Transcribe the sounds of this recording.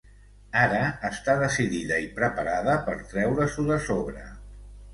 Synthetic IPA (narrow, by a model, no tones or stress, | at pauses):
aɾəːst̪aðəsiðiðəipɾəpaɾaðəpəɾt̪ɾɛwɾəsuðəsoβɾə